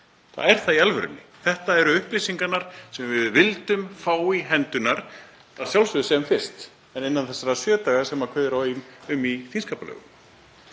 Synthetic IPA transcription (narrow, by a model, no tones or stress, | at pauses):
θa̰ðɛɾ̥θaðialvʏɾʏ̰nːɪ̰θɛht̪aɛɾʏʏhplɪsiŋkanaɾ̥sɛmvɪðvɪlt̪ʏmfaːwiɦɛnt̪ʏnaɾ̥ | θasjawlsʏðʏsɛmfɪr̥st̪ | ɛnɪnːanθɛsːaɾasjœːt̪aːɣasɛmakʰvœːðɪɾaɪnʏmːiθinskaːpalœ̰ːɣʏ̰m